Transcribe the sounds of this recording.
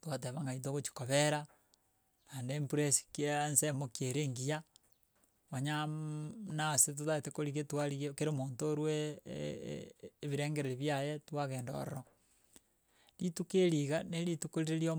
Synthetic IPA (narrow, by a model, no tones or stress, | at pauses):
twat̬eβaŋɡait̬oɣot͡ʃi̥koβeɾa | nandempuɾesi̥kensemokeɾeŋɡija | waɲa | naset̬uðatekoɾiɣetwaɾiɣekeɾemoːntoɾwe | βiɾeːŋɡeɾeɾiβjajetwaɣeːndɔ̰ɾɔɾo | ɾitukeɾiɣaneɾitukoɾiɾeɾjo